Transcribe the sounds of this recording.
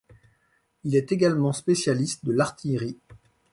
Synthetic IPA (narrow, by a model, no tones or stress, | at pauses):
ilɛt̪eɡalmɑ̃spesjalist̪̚d̪əlaʁt̪ʰijʁi